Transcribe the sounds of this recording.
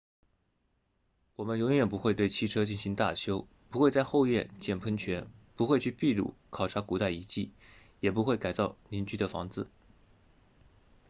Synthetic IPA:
wɔ˨˩mə˦njʊ˧˥ŋjɥɛ˨˩npu˧˥xwt̪we˥˩ɪt͡ɕʰi˥ʈ͡ʂʰɤ˥t͡ɕi˥˩nɕi˧˥ŋt̪a̰˥˩t͡ɕʰjo˥ʊ | pu˧˥xwe˥˧ɪt͡sa˥˧ɪxo˥˧ʊjɛ̰˥˧nt͡ɕjɛ˥˩npʰə˥nt͡ɕʰɥɛ˧˥npu˧˥xwe˥˧ɪt͡ɕʰy˥˧pi˥˧lṵ˥˩kʰɑ˨˩ʊʈ͡ʂʰa˧˥ku˨˩t̪a˥˩ɪi˧˥t͡ɕḭ˥˩ | jɛ˨˩pu˧˥xwe˥˩ɪka˨˩ɪt͡sɑ˥˩ʊni˧˥nt͡ɕy˥˩d̪ə˨˩fɑ̰˧˥ŋt͡sɹ̩˧˩

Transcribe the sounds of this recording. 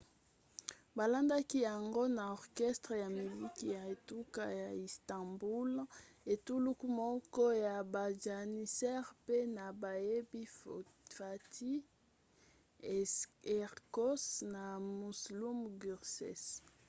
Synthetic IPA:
ba˨la˦nda˦ki˦ja˨ŋɡo˦na˨ɔ˨ʁkɛ˦stʁe˨ja˨mi˨li˦ki˦ja˨e˨tu˦ka̰˦ja˨i˨stã˨mbu˦l | e˨tu˦lu˦ku˦mɔ˦kɔ˦ja˨ba˨ʒa˨ni˨sɛ˦ʁpe˦na˨ba˨je˦bi˦fa˨tʰi˦ | ɛ˨ʁko˦sna˨mu˨slu˦mɡy˨ʁsɛ̰˨s

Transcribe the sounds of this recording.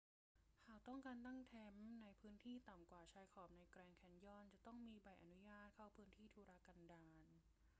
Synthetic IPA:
kʰaː˨˩wt̪ɔ˥˩ŋkaː˧nt̪a˥˩ŋt̪ʰɛ˧˥mna˧jpʰɯː˦˥nt̪ʰiː˥˩t̪a˨˩mkwaː˨˩t͡ɕʰaː˧jkʰɔː˨˩p̚na˧jkɾɛː˧ŋkʰɛ˧˥njɔː˧˩nt͡ɕa˨˩t̪ɔ˥˩ŋmiː˧ba˨˩jʔa˧nu˦˥jaː˥˩t̪̚kʰa˥˩wpʰɯː˦˥nt̪ʰiː˥˩t̪ʰuː˧ɾaː˧˥ka˧ndaː˧n

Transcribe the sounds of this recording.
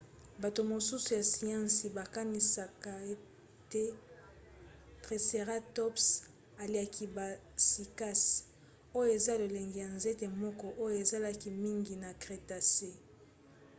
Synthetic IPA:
ba˨to˨mo˨su˦su˨ja˨si˨jã˦nsi˨ba˨ka˦ni˨sa˨ka˨e˦ | te˦ | tʁe˨se˨ʁa˦tɔ˦ps | a˨li˨a˨kʰi˨ba˨ | si˨ka˦s | o˦jo˦e˨za˦lo˨le˨ŋɡi˨ja˨nze˦te˨mɔ˦kɔ˦ʔo˦jo˦˨e˨za˦la˦ki˨mi˦ŋɡi˨na˨kʁe˨ta˨se˦

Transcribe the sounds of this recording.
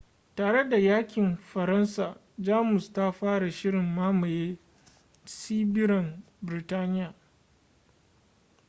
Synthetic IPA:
taː˨ɽe˦da˨jaː˦kʲɪ˨mɸɐ˨ɾɐ˦nsaː˨ | d͡ʒaː˦mʊ˨sta˦ɸaː˦ɽa˨ʃɪ˦ɽɪ˨mːaː˦ma˨jeː˦ | siː˦bɪ˦ɾɐ˨n | bɪ˨ɾɪ˨taː˦nɪ˦jaː˨

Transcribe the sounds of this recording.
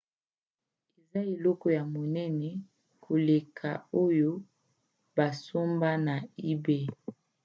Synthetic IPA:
e˨za˦e˨lɔ˦kɔ˦ja˨mo˨nɛ˦nɛ˦ | kʰo˨le˨kʰa̰˨o˦jo˦ | ba˨so˦mba˦na˨i˦be˦

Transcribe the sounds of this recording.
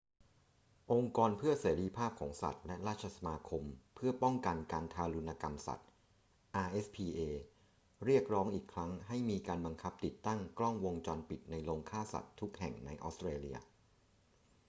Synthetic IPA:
ʔo˧ŋkɔː˧npʰɯ˥˩ɐseː˩˦ɾi˧˥pʰaː˥˩p̚kʰɔ̰ː˩˦ŋsa̰˨˩t̪̚lɛ˦˥ɾaː˥˩t̪̚t͡ɕʰa˧sa˧maː˧kʰo˧mpʰɯ˥˩ɐpɔ˥˩ŋka˧nka˧nt̪ʰaː˧lu˧nːaː˧ka˧msa̰˨˩t̪̚ | ʔaː˧ʔe˦˥spʰiː˧ʔeː˧ | ɾi˥˩ək̚ɾɔː˦˥ŋʔiː˨˩kʰɾa˦˥ŋɦa˥˩jmiː˧kaː˧nba˧ŋkʰa˦˥p̚t̪i˨˩t̪ːa˥˩ŋklɔ˥˩ŋwo˧ŋt͡ɕɔː˧npi˨˩t̪̚na˧jloː˧ŋkʰaː˥˩sa̰˨˩t̪ʰːu˦˥k̚hɛ̰˨˩ŋna˧jʔɔ̰ː˦˥st̪ɾeː˧li˧ɐ

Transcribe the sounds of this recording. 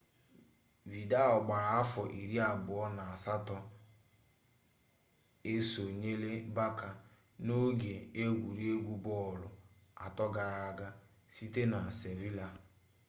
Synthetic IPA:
vi˨da˦ɔ˨ɡ͡ba˨ɾa˨a˦fɔ˨ʔi˨ɾi˦a˨bʊ˨ɔ˦na˨a˨sa˦tɔ˦ | e˦so˨ɲe˦le˦ba˦ka˨ | no˦ɡe˨e˦ɡʷu˨ɾi˦e˦ɡʷu˦bɔ˦˨lʊ̰˨ | a̰˨tɔ˦ɡa˨ɾa˨a˦˨ɡa˦ | si˦te˦na˨se˨vi˦la˨

